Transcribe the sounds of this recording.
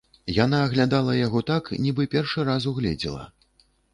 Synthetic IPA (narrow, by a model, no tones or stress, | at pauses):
janaːɣlʲad̪alˠɐjaɣɔt̪aknʲibɨpʲɛrʂɨɾazuɣlʲɛ̰d͡zʲɛ̰lˠɐ̰